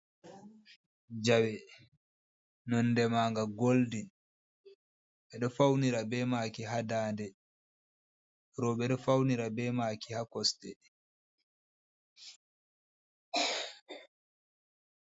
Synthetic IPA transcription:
d͡ʒawɛ | nɔnːdɛmaːŋɡaɡoldin | ɓɛɗɔfawniɾabɛmaːkiɦadaːndɛ | ɾɔɓɛɗɔfawniɾabɛmaːkihakɔstɛ

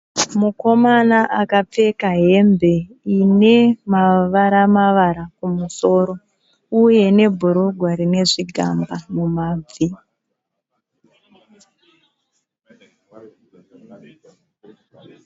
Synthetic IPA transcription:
muko̞manaʔakap͡fe̞kaɦe̞mbe̞ine̞maʋaɾamaʋaɾakumuso̞ːɾo̞ | uje̞ne̞bʱuɾoɡʱwaɾine̞ʐiɡʱa̰mbamumaːb͡vi

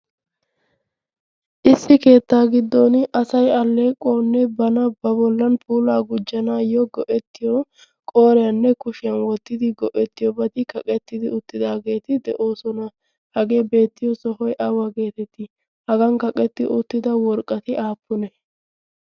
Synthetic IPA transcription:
ʔɪsːɪke̞ːt̪ːaːɡɪd̪ːonʔɐsɐjɐlːeːkʼːoːnːɛbɐnɐbɐbɔlːɐnpʰuːlaːɡʊd͡ʒːɐnaːjɔɡɔʔɛt̪ːɪjɔ | kʼo̞ːɾɛjɐnːɛkʊʃɪjɐnwɔt̪ːɪd̪ɪɡɔʔɛt̪ːɪjɔbɐt̪ɪkɐkʼɛt̪ːɪd̪ɪʊt̪ːɪd̪aːɡe̞ːt̪ɪd̪ɛʔoːsɔnɐ | hɐɡe̞ːbe̞ːt̪ːɪjɔsɔhɔjʔɐwaːɡe̞ːt̪ɛt̪ːɪ | hɐɡɐnkɐkʼɛt̪ːɪʔʊt̪ːɪd̪ɐwɔɾkʼːɐt̪ɪʔaːpːʊnɛ

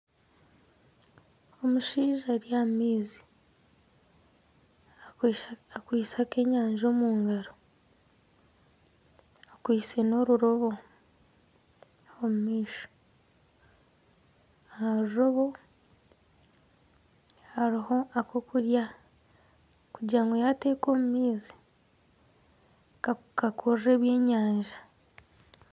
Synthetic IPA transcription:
o̞muʃiːʒaɾijamiːzi̥ | akwiːsake̞ɲaːɲʒo̞muːŋɡaɾo | akwiːseno̞ɾuɾo̞βo̞ | omumiːʃo̥ | aaɾuɾo̞βo̞ | haɾiho̞akʰo̞kuɾja | kuɟaːŋɡojate̞ːko̞ːmumiːzi | kakʰurre̞ːβje̞ːɲaːɲʒḁ

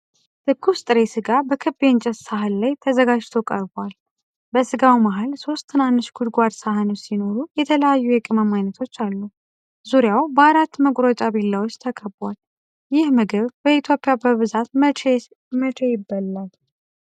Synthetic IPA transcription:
t̪ɨkʰːust̪ʼɨɾe̞sɨɡabəkʰɨbent͡ʃʼəssaɦɨnlajt̪ʰəzəɡad͡ʒt̪ʰo̞kʼə̰ɾbwal | bəsɨɡawmaɦalso̞st̪ʰːɨnanːɨʃɡ̥ud̪ɡʷad̪saɦɨnosino̞ɾujɛt̪ʰələjajːujɛkʼɨməmajnət̪ʰo̞t͡ʃːalːu | zuɾjawbəaɾat̪ːməkʼɾot͡ʃʼaβilːawot͡ʃʼːt̪ʰəkʰʼəbal | jɪhmɨɡɨβbəit̪ʰjo̞pʼːjabəβɨzat̪ | mət͡ʃʰʼejɪbːəlːal

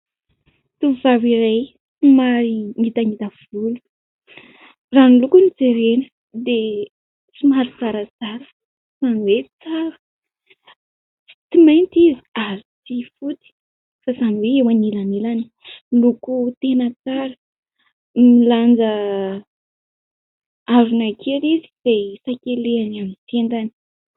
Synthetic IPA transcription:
t̪uvvaviɾaj | t͡simaɾiŋit̪aŋit̪av̥ulu̥ | ranulukunit͡seɾenə̥ | d̪e | t͡simaɾiz̥aɾəzaɾə̥ | saniwet͡saɾə̥ | i̥t͡simejnt̪iziaɾit͡sifut̪i̥ | fasamiweewanilanilani̥ | lukut̪enət͡saɾə | miland͡zə | aɾunakʰeɾizi̥z̥esakeleanamisenɖ͡ʐ̪ani̥

